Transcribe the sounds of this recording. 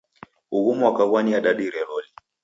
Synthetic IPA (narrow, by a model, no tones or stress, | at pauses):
uɣumuakaɣwaniaɗaɗiɾɛɾɔli